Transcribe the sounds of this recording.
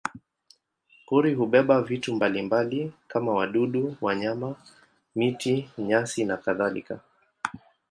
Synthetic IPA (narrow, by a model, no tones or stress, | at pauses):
kuɾiɦuɓɛɓavitumbalimbalikamawaɗuɗuwaɲama | mitiɲasinakaðalḭka